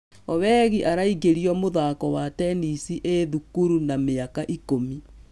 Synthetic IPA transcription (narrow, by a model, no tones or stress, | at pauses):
ɔβɛːɣiʔaɾaiɣeɾiɔmoðaːkɔwatɛnisiʔeðukuɾunameakaʔikomi